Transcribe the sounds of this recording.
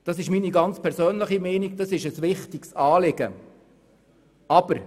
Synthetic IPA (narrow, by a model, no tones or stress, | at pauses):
d̥ɑsɪʃmiːniɡɑnt͡spʰɛɾsøːnləχimɛɪniɡd̥ɑsɪʃəsʋɪχtɪksɑːlɪɡ̥ə | ɑb̥əɾ